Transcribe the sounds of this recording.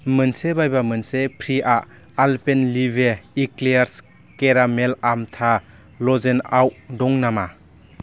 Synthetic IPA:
mɯnsebajbamɯnsepʰɾiʔaʔ | alpenlibʱeiklejaɾs | keɾamelamtʰa | lɔzenawʔdɔŋnama

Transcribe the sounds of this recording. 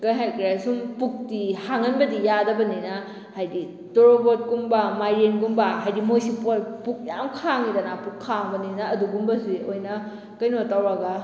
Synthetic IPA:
kɐjɦajkɾiasumpuk̚tihaŋɐnbɐdijadɐbɐninɐ | hajdi | toɾobot̚kumbɐmajɾenɡumbɐɦajdimojsipotpuk̚ja̰mkʰaŋidɐnapukʰːaŋbɐninɐːduɡumbɐsiojnɐ | kɐjnotawɾɐɡɐ

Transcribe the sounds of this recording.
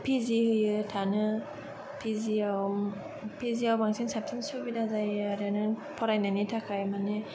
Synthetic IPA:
pʰizihɯjɯtʰanɯ | pʰiziaw | pʰiziawbaŋsinsap̚tʰinsɯbidazajaɾanɯpʰɔɾajnajnitʰakʰajmanɯ

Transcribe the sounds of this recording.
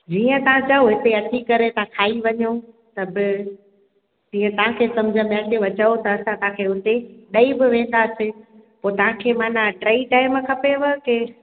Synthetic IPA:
d͡ʑiːə̃t̪ɐʋ̤ãt͡ɕɐoɦɪt̪eɐt̪ʰikɐɾet̪ɐãkʰaːiʋɐɲo | t̪ɐbɪ | d͡ʑiːə̃t̪ɐʋ̤ãkʰeːsɐ̃md͡ʑʱə̃ɓɛ̃ːt̪eʋɐt͡ɕəot̪ɐːsãt̪ɐãkʰeːʊt̪eɗɐibɪʋẽːn̆d̪asɪ | poːt̪ɐʋ̤ãkʰeːmaːnaɖɾaːiʈaːɪmkʰɐpeʋɐke

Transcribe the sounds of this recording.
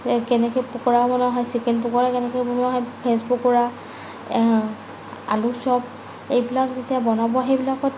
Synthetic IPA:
kɛnɛkɔjpukɔɹabɔnaɦɔjsikɛnp̬ukɔɹakɛnɛkɔjbɔnɔaɦɔjpʰespukɔɹa | a̰lusɔp̚ | ejbilakzetijabɔnabɔxejbilakɔt

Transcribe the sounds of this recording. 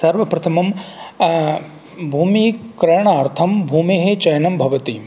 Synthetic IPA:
sɐɾʋɐpɾɐt̪ʰɐmɐm | bʱuːmikɾɐɳ̃aːɾt̪ʰɐmbʱuːmeɦet͡ʃɐjnɐmbʱɐʋɐt̪i

